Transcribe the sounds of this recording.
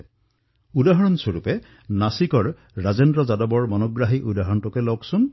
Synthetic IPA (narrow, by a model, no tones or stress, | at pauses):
udaɦɔɹɔnsoɹupɛ | nasikɔɹː | azendɹɔzadɔbɔɹmɔnɔɡɹaɦiʔudaɦɔɹɔntɔkɛlɔksʊn